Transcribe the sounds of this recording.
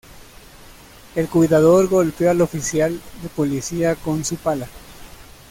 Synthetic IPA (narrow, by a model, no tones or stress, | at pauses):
e̞lkwiðaðo̞ɾɣo̞lpjoalo̞fisjald̪epo̞lisiako̞nsupala